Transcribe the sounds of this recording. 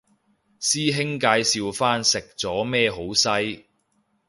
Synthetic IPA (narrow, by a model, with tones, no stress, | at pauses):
siː˥ɦɪ˥ŋkaː˧jsiː˧wfaː˥nsɪ˨k̚t͡sɔː˨˥mɛː˥ɦo˨˥wsɐ˥j